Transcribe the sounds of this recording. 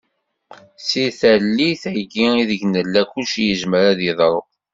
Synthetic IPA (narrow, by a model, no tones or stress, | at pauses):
siθælːiθæɡiiðəʝnəlːækuʃjəʒməɾæðiðˤɾˤə